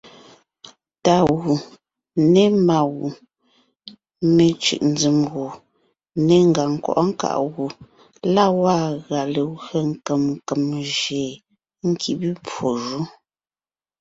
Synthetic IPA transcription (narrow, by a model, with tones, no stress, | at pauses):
ta˨ɣu˨ | ne˦ma˨ɣu˨ | me˨t͡ʃʉ̰˨ʔn̩˨˦d͡zi˨mɣu˨ | ne˨ŋ˨ɡa˨ŋ̩˨kɔ̰˨ʔɔ˦ŋ̩˦ka̰˨ʔɣu˨ | la˦wa˦˨ɣa˨le˨ɣɰə˨ŋ˦kə˨m˨kə˨mʒe˨ | ŋ̩˦kʰi˨bi˦pwo˨ʒu˦